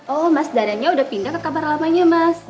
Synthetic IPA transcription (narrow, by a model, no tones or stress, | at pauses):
ʔɔhmasdaɾaɲaudahpindakːəkabarlamaɲamas